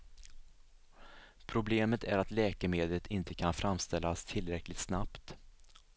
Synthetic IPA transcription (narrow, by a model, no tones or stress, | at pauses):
pʰɾʊbleːmət̪ʰæ̰ɾat̪lɛːkəmeːd̪lət̪ʰɪnt̪əkʰanfɾamst̪ɛlːast̪ʰɪlɾɛklɪt̪snapt̪